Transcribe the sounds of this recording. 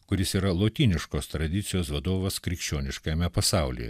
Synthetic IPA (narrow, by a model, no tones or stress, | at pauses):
kʊɾʲɪsiːɾɐlˠoːt̪ʲiːnʲɪʃkoːst̪ɾɐd̪ʲɪt̪sʲɪjoːsʋɐd̪oːʋɐskɾʲɪkʃʲt͡ʃʲoːnʲɪʃkɐmʲɛpɐsɑˑʊlʲḭjɛ̰